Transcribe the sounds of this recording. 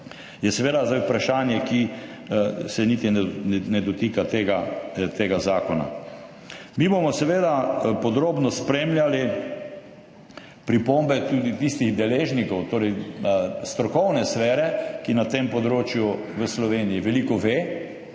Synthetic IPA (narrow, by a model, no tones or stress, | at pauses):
jɛsɛʋeːd̪azd̪ajupɾaʃaːnjɛki | sɛnit̪innɛd̪ɔt̪iːkat̪eɡat̪eːɡazaːkɔna̰ | miːbomɔsɛʋeːd̪apɔd̪ɾoːbnɔspɾeːmljali | pɾipombɛt̪uːd̪it̪ist̪iɣd̪ɛleːʒnikɔwt̪oːɾɛj | st̪ɾɔkɔwnɛsfɛːɾɛkinat̪eːmpɔd̪ɾoːt͡ʃju | ʋəslɔʋeːnijiʋɛliːkɔʋeː